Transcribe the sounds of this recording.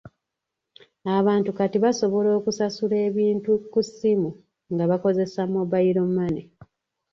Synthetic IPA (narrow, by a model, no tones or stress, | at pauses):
aβaːntukatiβaso̞βo̞lo̞ːkusasule̞ːβiːntukusimu | ŋɡaβako̞ze̞samoβajiɾomːane